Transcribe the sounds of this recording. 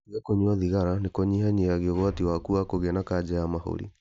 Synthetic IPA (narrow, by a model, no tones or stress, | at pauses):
ɣakoɲwɔðiɣaɾanekɔɲihaɲeaɣeɔɣwatiwakuakoɣɛnakad͡ʑɛamaho̰ɾḭ